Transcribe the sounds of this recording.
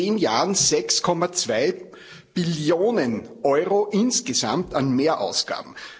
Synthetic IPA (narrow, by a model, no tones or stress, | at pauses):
eːnjaːənzɛkskʰɔmat͡sv̥aɪ | b̥ɪljoːnənʔɔʏʁoʔɪnsɡ̥əsã̰mtanmeːɐʔaʊsɡ̥a̰ːb̥m̩